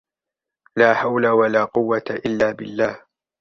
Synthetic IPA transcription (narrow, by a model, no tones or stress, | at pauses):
laːħawlawalaːqʊwːat̪aʔɪlːaːbɪlːaːh